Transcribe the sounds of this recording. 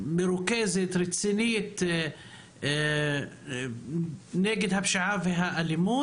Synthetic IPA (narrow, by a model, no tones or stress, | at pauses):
mɪɾukeːzɪt̪ɾɪt̪sinɪjːɪt̪ | neːɡɪd̪habʃaʕaːvɦaʔalɪmuː